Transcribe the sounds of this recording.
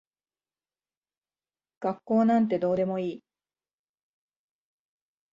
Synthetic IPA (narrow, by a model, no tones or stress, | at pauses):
ɡ̥akːo̞ːnãnt̪̬e̞d̪o̞ːd̪e̞mo̞iː